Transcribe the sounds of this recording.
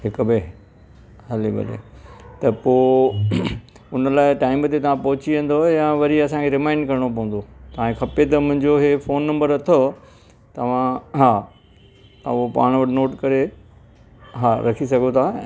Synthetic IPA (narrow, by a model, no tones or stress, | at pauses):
ɦɪkʊ̆be | ɦɐlibɐ̰lḛt̪ɐpoː | ʊnəlaːɪʈaːɪmt̪et̪ɐʋ̤ãpɐɦʊt͡ɕiʋɐ̃n̆d̪ojãʋɐɾiɐsãkʰeɾɪmãːɪɳɖ̚kɐɾɪɽ̃opɐ̃ɦũn̆d̪ot̪ɐʋ̤ãkekʰɐpet̪ɐmʊ̃ɦɪ̃ɲd͡ʑoɦefoːnːɐ̃mbəɾɐt̪ʰo | t̪ɐʋ̤ãɦa | opa̰ːɽ̃ʋɐʈnoːʈkɐɾe | ɦaːɾɐkʰisɐɡʱot̪ʰãː